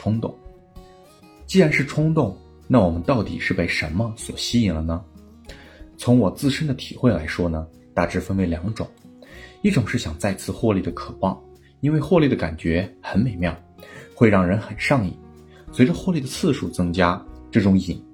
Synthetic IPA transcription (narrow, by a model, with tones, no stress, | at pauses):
ʈ͡ʂʰʊ˥ŋt̪ʊ̰˥˩ŋ | t͡ɕi˥˧ɻa˧˥nʂɻ̩˥˩ʈ͡ʂʰʊ˥ŋt̪ʊ˥˩ŋ | na˥˩wɔ˨˩mə˦nt̪ɑ˥˩ʊt̪ḭ˨˩ʂɻ̩˥˧pe˥˩ɪʂə˧˥nmə˧swɔ̰˨˩ɕi˥i˨˩ŋlə˦nə˩ | t͡sʰʊ˧˥ŋwɔ˨˩t͡sɹ̩˥˧ʂə˥nd̪ə˨t̪ʰḭ˨˩xwe˥˩ɪla˧˥ɪʂwɔ˥nə˩ | t̪a˥˩ʈ͡ʂɻ̩˥˩fə˥nwe˧˥ɪljɑ˨˩˦ŋʈ͡ʂʊ̰˨˩˦ŋi˥˩ʈ͡ʂʊ˨˩ŋʂɻ̩˥˩ɕjɑ˨˩ŋt͡sa˥˧ɪt͡sʰɹ̩˥˧xwɔ˥˧li˥˩d̪ə˩kʰɤ˨˩pɑ˥˩ŋ | i˥nwe˥˧ɪxwɔ˥˧li˥˩d̪ə˩ka̰˨˩nt͡ɕɥɛ˧˥xə˧˥nme˨˩ɪmjɑ˥˩ʊxwe˥˧ɪɻɑ˥˩ŋɻə˧˥nxə˨˩nʂɑ˥˧ŋḭ˨˩˦ | swe˧˥ɪʈ͡ʂə˧xwɔ˥˧li˥˩d̪ə˩t͡sʰɹ̩˥˩ʂu˨˩t͡sɤ˥ŋt͡ɕja˥ʈ͡ʂɤ˥˩ʈ͡ʂʊ˧˥ŋi˨˩n